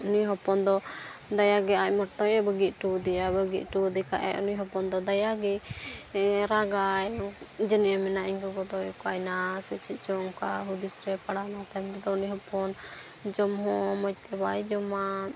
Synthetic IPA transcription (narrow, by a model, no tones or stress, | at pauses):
unijɦɔpɔnd̪ɔd̪ajaɡɛac̚mɔɾt̪ɔjɛbəɡiʔ̪̚ʈud̪ɛjabəɡit̪̚ʈud̪ɛkaʔɛ̰ɔ̰nijɦɔpɔnd̪ɔd̪ajaɡɛ | ɾaɡajd͡ʒəniʔɛmɛnaʔiɲkɔɡɔd̪ɔjɔkɔajnasɛt͡ʃʰɛt̪̚ˀt͡ʃɔŋkaɦud̪isɾɛpaɽanat̪ɛmbɛd̪ɔuniɦɔpɔn | d͡ʒɔmɦɔ̃mɔc̚t̪ɛbajd͡ʒɔma